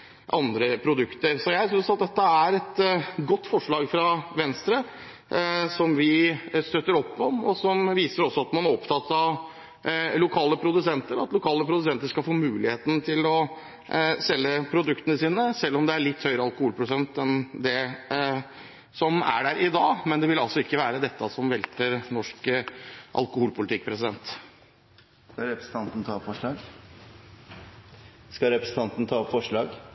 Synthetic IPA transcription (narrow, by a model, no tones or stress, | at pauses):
ʔɑnd̪ɾəpʰɾʊd̪ʉkt̪əɾsɔjæɪssʏnsɑt̪̚d̪ɛt̪ːəæɾɛt̪ɡɔt̪ːfɔʂɭɑːɡfɾɑʋɛnst̪ɾə | sɔmʋɪst̪øt̪ːəɾɔpːɔmɔsɔmʋiːsəɾɔsːɔɑt̪mɑnæɾɔpt̪ʰɑt̪ːɑʋ | lʊkʰɑːləpʰɾʊd̪ʉsɛnt̪əɾɑ̰t̪lʊkʰɑːləpʰɾʊd̪sɛnt̪əʂkɑlfoːmʉːlɪheːt̪n̩t̪ʰɪlɔ | sɛlːəpʰɾʊd̪ʉkt̪ənəsiːnəsɛlːɔmd̪ɛæɭɪt̪ːhœʏɾəɑlkʊhuːlpʰɾʊsɛnt̪ɛnd̪ɛ | sɔmæ̰ɖæɾʔɪd̪ɑːmɛnd̪ɛʋɪlɑlsɔɪkːəʋæːɾəd̪ɛt̪ːəsɔmʋɛlt̪əɾnɔʂk | ʔɑ̰lkʊhuːlpʰʊlɪt̪ɪkːpʰɾɛsɪd̪ɛnt̪ | skɑɾɛpɾəsn̩t̪ʰɑnt̪nət̪ʰɑːpfɔʂɭɑːɡ | skɑɾɛpɾəsn̩t̪ʰɑnt̪nət̪ʰɑːɔpfɔʂɭɑːɡ